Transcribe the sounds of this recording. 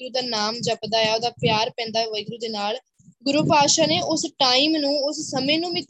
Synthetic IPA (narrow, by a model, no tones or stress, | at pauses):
ɡɾuːd̪aːnaːmd͡ʒəpd̪aːjaːoːd̪aːpjaːɾpɛ̃ːnd̪aːʋəjɡɾuːd̪eːnaːl | ɡʊɾuːpaːʃaːneːʔʊsʈaːimnũːʊssəmẽːnũːmɪt̪